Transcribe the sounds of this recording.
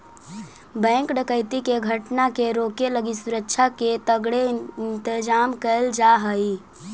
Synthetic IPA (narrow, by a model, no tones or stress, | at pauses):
bɛ̃ŋkɖəkəɪt̪ikeɡʱəʈnakeɾokeləɡisuɾəkːʃʰaket̪əɡɽent̪ɪd͡ʒamkəld͡ʒaɦəi